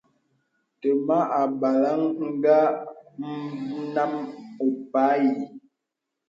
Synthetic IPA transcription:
tə˨ma˦a˨ba˨la˦ŋŋ̩˦ɡa˦m̩˦na˦mo˨pa˨˦ji˨

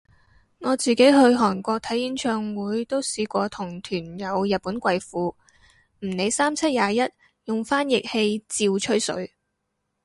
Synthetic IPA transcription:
ŋɔː˨˧t͡siː˨ke˨˥jɦɵ˧ɥɦɔː˨˩nkʷɔː˧k̚t̪ʰɐ˨˥jjiː˨˥nt͡ʃʰœː˧ŋwuː˨˥jt̪o˥wsiː˧kʷɔː˧t̪ʰʊ˨˩ŋt̪ʰyː˨˩njɐ˨˧wjɐ˨t̚puː˨˥nkʷɐ˧jfuː˨˧ | m̩˨˩ne˨˧jsaː˥mt͡sʰɐ˥t̚jaː˨˧jɐ˥t̚ | jʊ˨ŋfaː˥njɪ˨k̚he˧jt͡siː˧wt͡ʃʰɵ˥ɥsɵ̰˨˥ɥ

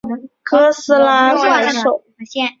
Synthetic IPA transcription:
kʰɤ˥sɹ̩˥la˧˥swa˧˥ɪʂo˨˩˦

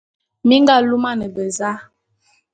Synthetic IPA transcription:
mi˦ŋɡa˦˨lu˦ma˦nə˨bə˨za˦

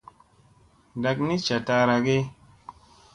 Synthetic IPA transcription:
da˨kni˦t͡ʃa˨ta˧ɾa˨ɡe˦

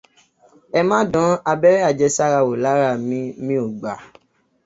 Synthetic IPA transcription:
ɛ˧mã˦dɔ̃˨˦a˧bɛ˦ɾɛ˦a˦˨d͡ʒɛ˧sa˦ɾa˧wo˨la˨˦ɾa˦˨mĩ˧mĩ˧˦o˨ɡ͡ba˨

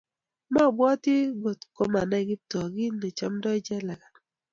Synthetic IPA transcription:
ma˦˨bwɔ˦tɪ˦ɡo˨tko˦ma˨na˦˨ɡɪ˦tɔ˨ɡɪ˦ne˨t͡ʃa˦mdɔ˦d͡ʒɛ˦la˨ɡa˨

